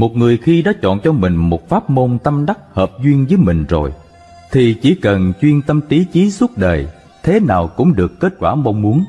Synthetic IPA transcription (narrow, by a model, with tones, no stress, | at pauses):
mo˨˩t̚ŋɨ˨˩əjxi˧ɗɔ˨˦t͡ɕɔ̰˧˨nt͡ɕɔ˧mï˨˩ŋ̟mo˨˩t̚faː˦˥p̚mo˧nt̪ə˧mɗa˦˥k̚həː˨˩p̚zwi˧ənvəː˨˦jmï˨˩ŋ̟zo˨˩j | t̪ʰi˨˩t͡ɕi˧˩kə˨˩nt͡ɕwi˧ənt̪ə˧mt̪i˨˦t͡ɕi˨˦swə˦˥t̚ɗəː˨˩j | t̪ʰe˨˦naː˨˩wkʊ̰˧˥ŋ͡mɗɨ˨˩əkːe˦˥t̚kwaː˧˩ma˧wŋ͡mmu˨˦ən